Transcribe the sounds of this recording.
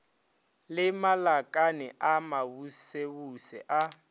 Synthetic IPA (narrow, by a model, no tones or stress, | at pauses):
lɪmalakʼanɪʔamabusebusɛ̰ʔa